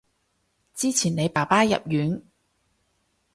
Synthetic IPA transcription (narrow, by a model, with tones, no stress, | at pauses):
t͡siː˥t͡sʰiː˨˩ne˨˧jpaː˨˩paː˥jɐ̰˨p̚jyː˨˥n